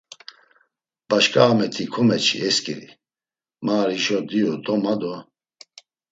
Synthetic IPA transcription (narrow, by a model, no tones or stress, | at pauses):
b̥aʃkʼaːmɛt̪ʰikʰɔmɛt͡ʃʰḭɛskʼiɾḭ | maːɾiʃɔd̪iɔd̪ʼɔmad̪ɔ